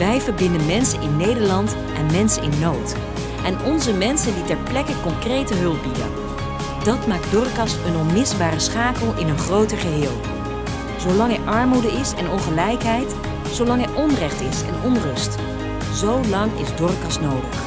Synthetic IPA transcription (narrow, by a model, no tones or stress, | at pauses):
ʋɛjvəɹbɪndənmɛnsənɪnːejdəɹlɑnt | ʔɛnmɛnsənɪnːowt | ʔɛnɔnzəmɛnsənditɛɹplɛkəkɔŋkrejtəɦɵlˠp̚bidə̰n | dɑtmaːk̚dɔɹkɑsənɔnmɪsbaːrəsχaːkəlˠɪnənχrowtəɹχəɦɪːlˠ | z̥owlɑŋɦɛɹʔɑɹmudəɪsɛnɔnχəlɛjkɦɛjt | sowlɑŋɦɛjʔɔnrɛχtɪsɛ̰nɔnrɵst | zowlɑŋɪ̰zdɔɹkɑsnowdəχ